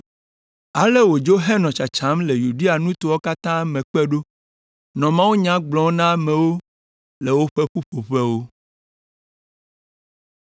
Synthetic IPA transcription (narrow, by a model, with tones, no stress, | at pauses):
a˨le˦wo˨d͡ʒo˦ɦɛ˦nɔ̃˨t͡ʃa˨t͡ʃã˨˦mle˨ju˨ɖe˦a˨nũ˦t̪o˦wɔ˦ka˦t̪ã˦mɛ̃˨k͡pɛ˦ɖo˦ | nɔ̃˨mã˦wu˦ɲã˦ɡ͡blɔ̃˦nã˦mɛ̃˨wo˦ | le˨wo˦ɸe˦ɸu˦ɸo˨ɸe˦wo˦